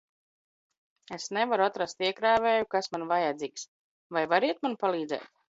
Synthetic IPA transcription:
esnɛvaɾuat̪ɾast̪iɛkɾaːvɛːjukasmanvajad̪ziːks | vajvaɾiɛt̪̚manpalˠiːd̪zɛ̰ːt̪̚

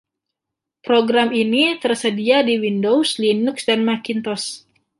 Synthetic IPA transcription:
pɾoɡɾaminit̪ərsədiadiwindowslinuksdanmakint̪ɔs

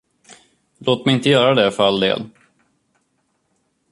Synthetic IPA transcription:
loːt̪̚mɛjɪnt̪əjœːɾad̪ɛfœɾald̪ḛːl

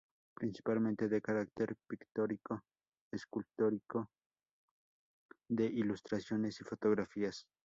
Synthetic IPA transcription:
pɾinsi̥palmẽnt̪e̞ðekaɾak̚t̪eɾpikt̪oɾiko̞ | eskult̪o̞ɾiko̞ | ðe̞ʔilust̪ɾasjo̞ne̞sifo̞t̪o̞ɣɾafias

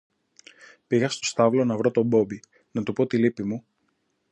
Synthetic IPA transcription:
piɣɐst̪o̞st̪ɐvlo̞nɐvɾo̞t̪o̞bo̞bi | nɐt̪upo̞t̪ilipimu

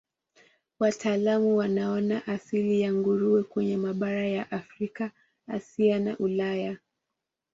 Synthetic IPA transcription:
watʰaːlamuwanaɔnaʔasilijaŋɡuɾuɛkwɛɲɛmaɓaɾajaʔafɾikaː | siana̰ʔulaja

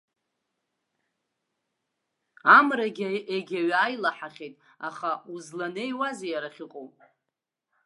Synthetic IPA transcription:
amraɡʲeɡʲaɥajlaħaχʲe̞jtʼ | aχauzlanejwazejaɾaχʲɪqʼowpʼ

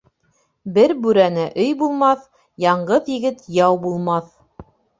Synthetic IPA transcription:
bɘɾbʉɾænæʔɵjbulˠmɑθ | jɑɴɢɤðjɘ̆ɡɘt̪jɑwbulˠmɑθ

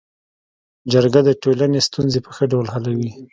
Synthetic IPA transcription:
d͡ʒəɾɡad̪əʈolanest̪unzepə̥xəɖawlɦalawi

